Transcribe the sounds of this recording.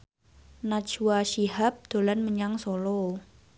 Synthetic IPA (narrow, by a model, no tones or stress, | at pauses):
nḁt͡ʃuwaʃiɦap̚d̪̥o̤lanməɲaŋsɔlɔ